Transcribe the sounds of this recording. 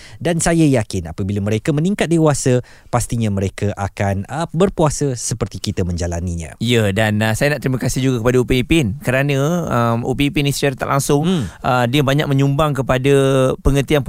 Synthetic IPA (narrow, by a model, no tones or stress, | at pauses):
dansajajakɪna̰pəbilamə̃ɾekamənĩŋkat̪̚dewasə | past̪iɲamə̃ɾekaʔakanəbərpuasəsəpərt̪ikit̪amə̃ɲd͡ʒalaniɲã̰ijədanəsajanaʔt̪ɾimakasid͡ʒuɡakəpadaupiipɪnkəɾanə̃əmṵpipinisə̥t͡ʃaɾat̪a̰ʔlaŋsʊŋədiəbaɲa̰k̚mə̃ɲumbaŋkəpadapəŋət̪ian